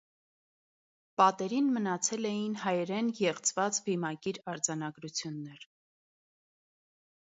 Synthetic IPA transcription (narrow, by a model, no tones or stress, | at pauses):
pɑt̪ɛɾinmənɑt͡sʰɛlɛjinɦɑjɛɾɛnjɛʁt͡sʰvɑt͡sbimɑkiɾɑɾd͡zɑnɑɡɾut͡sʰjunːɛɾ